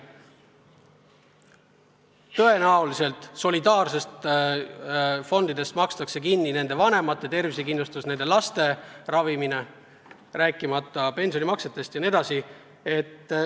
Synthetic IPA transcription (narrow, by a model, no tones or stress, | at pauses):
t̪ɤ̞e̞næwlise̞lt̪ˑso̞lid̪ɑːrse̞st̪ | fo̞nd̪̥id̪e̞st̪mɑkst̪ɑkse̞kinːine̞nd̪e̞vɑne̞mɑt̪ːˑe̞t̪e̞rvisekinlust̪usne̞nd̪̥e̞lɑst̪e̞rɑvimine | ræːkːˑimɑt̪ˑːɑpe̞nsio̞nʲimɑkse̞t̪ːˑe̞st̪jɑned̪̥ɑsi | e̞t̪ː